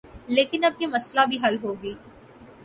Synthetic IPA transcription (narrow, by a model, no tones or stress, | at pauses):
leːkɪnɐb̚jimɐslabʱiɦɐlɦoːɡiː